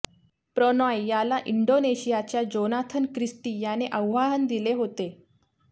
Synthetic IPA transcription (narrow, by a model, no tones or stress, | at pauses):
pɾənajjalaʔiɳɖoneɕijat͡ɕjad͡ʑonat̪ʰənkɾisʈiːjaneʔəʋʋaɦənd̪ileɦot̪e